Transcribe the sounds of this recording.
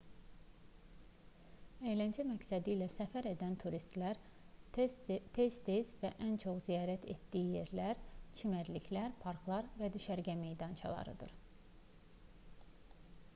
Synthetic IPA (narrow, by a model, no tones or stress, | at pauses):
ejlænd͡ʒæmæcsæd̪ilæsæfæɾe̞d̪ænt̪ʰuɾist̪læɾ | t̪ʰe̞zt̪ʰezvæʔænt͡ʃʰo̞χzijɑːɾæt̪ʰḛt̪d̪iːijeɾlæɾt͡ʃʰimæɾliçʰlæɾpʰɑɾklˠɑɾvæd̪yʃæɾɟæme̞jd̪ɑnt͡ʃʰɑ̰lˠɑ̰ɾɯ̰d̪ɯ̰ɾ